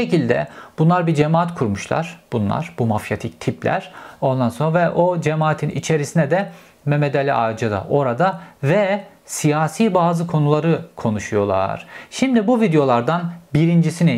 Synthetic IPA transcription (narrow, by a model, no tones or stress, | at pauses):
ecilʲd̪ɛ̰b̥unlˠaɾbid͡ʒemaːat̪kʰuɾmuʃlˠa̰ɾ̥b̥unlˠa̰ɾ̥bumafjat̪ʰic̚t̪ʰipʰlʲæ̰ɾ̥o̞nd̪anso̞navɛʔo̞d͡ʒemaːt̪ʰinʔḭt͡ʃʰe̞ɾisinɛd̪ɛ | memed̪alʲiaːd͡ʒad̪a̰ʔo̞ɾad̪avɛ | sijaːsiːbaːzɯkʰo̞nulˠaɾɯkʰo̞nuʃujo̞lˠa̰ɾ̥ʃimd̪ibuvid̪ejo̞lˠaɾd̪anbiɾind͡ʒisini